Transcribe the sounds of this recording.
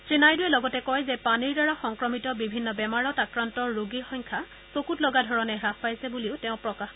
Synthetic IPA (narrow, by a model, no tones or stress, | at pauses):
sɹinajduɛlɔɡɔtɛkɔjzɛpaniɹdaɹaxɔŋkɹɔmitɔbibʱinːɔbɛmaɹɔtakɹantɔɹːoɡixɔɲkʰa | sokutlɔɡadʱɔɹɔnɛɹappajsɛbuliʊtɛʊ̃pɹɔkax